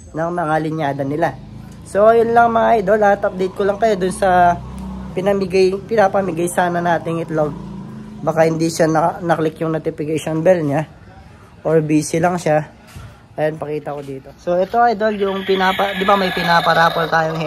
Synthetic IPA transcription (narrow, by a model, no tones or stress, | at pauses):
nɐŋmɐŋalɪnjaːd̪ɐnːɪla | so̞ʔɐjʊnlɐŋmɐŋaʔajd̪o̞lɐat̪ɐp̚d̪ɛjt̪̚kolɐŋkɐjo̞d̪ʊnsɐ | pɪnɐmɪɡajpɪnaːpɐmɪɡajsaːnɐnaːt̪ɪŋɪt̪loɡ̚baːkahɪnd̪iʃanɐnɐklɪkjʊŋnot̪ɪpɪkɐjʃonbɛlɲa | ʔoɹbiːsɪlɐŋʃa | ʔɐjonpɐkiːt̪ɐkod̪iːt̪o̞so̞ʔɛt̪o̞ʔajd̪o̞ljʊŋpɪnaːpɐd̪ɪbamɐjpɪnaːpɐɾaːpɐlt̪aːjoŋh